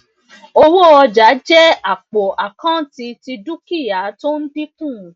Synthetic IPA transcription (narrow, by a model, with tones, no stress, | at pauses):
o˧wo˦ɔ˧d͡ʒa˨˦d͡ʒɛ˦a˨k͡po˨ʔa˨kã˦ti˧ti˧du˦ki˦˨ja˨˦to˦n̩˦di˦kũ˦˨